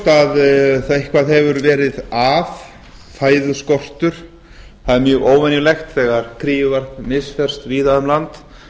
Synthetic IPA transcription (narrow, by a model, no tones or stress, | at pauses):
t̪aðθaɪhkvaðɦɛvʏɾvɛːɾɪðaf | faːjðʏskɔr̥t̪ʏɾ̥ | θaðɪɾmjœːɣoːwvɛnjʏlext̪θɛːɣaɾ̥kʰɾiːjʏvaɾ̥k̪mɪsfɛr̥st̪viːðaðʏmlant̪